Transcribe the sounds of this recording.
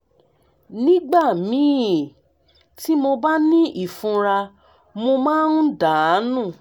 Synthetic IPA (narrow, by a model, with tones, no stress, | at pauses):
nĩ˦ɡ͡ba˦˨mĩ˨˦˨ | ti˦mo˧ba˦nĩ˦ʔi˦˨fũ˧ɾa˧ | mo˧mãː˦nu˦da˨˦nũ˦˨